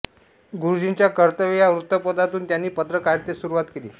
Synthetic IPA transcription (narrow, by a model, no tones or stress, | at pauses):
ɡuɾd͡ʑint͡ɕjakəɾt̪əʋjaʋɾut̪ːəpəd̪at̪uːnt̪janːiːpət̪ɾəkaɾt̪esuɾuʋat̪kelḭː